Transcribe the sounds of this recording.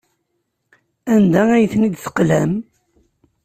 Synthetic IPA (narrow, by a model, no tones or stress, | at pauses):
ænd̪ææjθnid̪θə̥qlæm